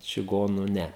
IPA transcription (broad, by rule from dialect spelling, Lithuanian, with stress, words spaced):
t͡ʃʲɪˈɡoːnuː ˈnʲɛ